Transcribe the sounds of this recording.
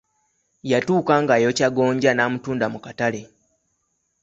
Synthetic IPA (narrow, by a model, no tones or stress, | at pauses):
jatuːkaːŋɡajo̞caɡo̞ːɲɟanaːmutuːndamukatale̞